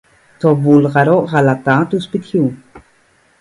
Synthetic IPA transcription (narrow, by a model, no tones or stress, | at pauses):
t̪ovulʁaɾoʔʁalat̪at̪uspit̪çu